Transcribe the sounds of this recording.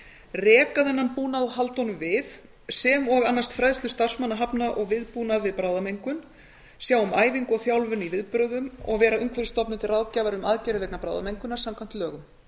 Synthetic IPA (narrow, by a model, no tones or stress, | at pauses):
rɛːkaðɛnːampuːnaðɦalt̪ɔnʏmvɪð | sɛmɔɣanːast̪fɾaðst̪ʏst̪ar̥smanːaɦapnaʔɔɣvɪðpuːnaðvɪðpɾaːwðamejŋkʏn | sjaːwʏmaːjviŋkɔɣθjawlvʏnivɪðpɾœːðʏmɔ̰ɣvɛːɾaʏŋkʰvɛɾst̪ɔpnʏmt̪ʰɪlraːwcavaɾʏmaðcɛɾɪðvɛknapɾa̰wðamejŋkʏnaɾ̥samkʰvam̥n̥t̪lœːɣʏm